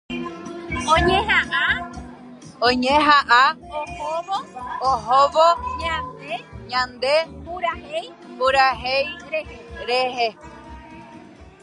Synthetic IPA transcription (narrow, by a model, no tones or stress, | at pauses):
õɲẽɦaʔa | õɲẽɦaʔaohoʋooɦoʋoɲãneɲãnd̪epuɾahej | puɾaɦejɾeɾeɦe